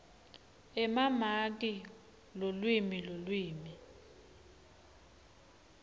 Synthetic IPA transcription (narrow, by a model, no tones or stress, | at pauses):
ɛmamak̬i | lolwimilolwiːmi